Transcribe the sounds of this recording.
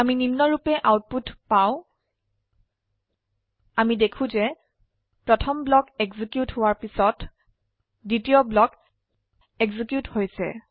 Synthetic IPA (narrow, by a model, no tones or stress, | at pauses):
amininːɔɹupɛʔawt̚putpaw̃ | amidekʰũzɛ | pɹɔtʰɔmblɔkɛɡzikjuthowaɹpisɔt | ditiɔblɔk | ɛɡzikjuthojsɛ̰